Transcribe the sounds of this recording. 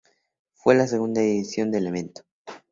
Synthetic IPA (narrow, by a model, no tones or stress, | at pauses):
fwe̞lase̞ɣund̪aeβisjo̞nd̪elemẽnt̪o̥